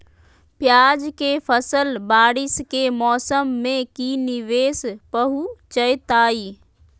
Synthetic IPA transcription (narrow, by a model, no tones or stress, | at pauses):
pjaːd͡ʒkepʰəsəlbaːɽɪskemɔːsəmːẽkinɪʋeːspəɦut͡ʃəjt̪aːi